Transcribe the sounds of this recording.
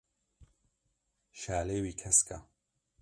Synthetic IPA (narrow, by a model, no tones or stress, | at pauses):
ʃaːleːwiːkʰɐskʰɐ̰